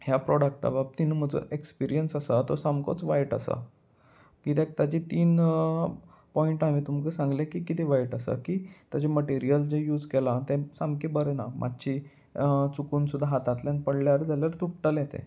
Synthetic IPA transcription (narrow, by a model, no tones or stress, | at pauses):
hjapɾɔɽək̚ʈa̰bab̚t̪inəm̤əd͡zo̰ʔekspiɾijənsasat̪osamko̰t͡sʋajʈa̰sa̰ | kit̪ek̚t̪at͡ɕit̪iːn | pɔiɳʈam̤iːt̪um̤kəsãŋɡlekiːkit̪ʰeʋajʈasə̰kiːt̪jad͡ʑeməʈiɾijəld͡ʑejuːd͡zkɛlat̪ẽsamkebəɾəna̰mʔa̰d̪t͡ɕi | t͡sukuːnsud̪ʱːaɦat̪at̪ljanpəɽljaɾd͡zaljaɾt̪uʈ̚ʈaljet̪ʰḛ̃